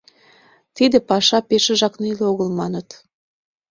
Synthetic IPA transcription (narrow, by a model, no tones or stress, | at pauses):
t̪id̪ĕpɑʃɑpeʃĕʒɑknileoɣəlmɑnət̪